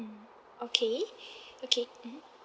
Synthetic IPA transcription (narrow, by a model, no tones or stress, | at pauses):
okʰeʔokʰem̩m̩